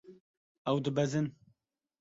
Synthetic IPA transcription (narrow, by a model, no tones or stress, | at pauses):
ɛwd̪ɨbɛzɨn